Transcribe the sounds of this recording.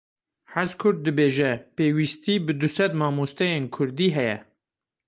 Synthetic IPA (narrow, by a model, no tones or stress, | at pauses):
ħæzkʰʊɾd̪̚dːɨbeːʒɛpeːwist̪iːbɨd̪ʊsɛd̪mɑːmoːst̪ɛjeːnkʰʊɾd̪iːɦɛjɛ̰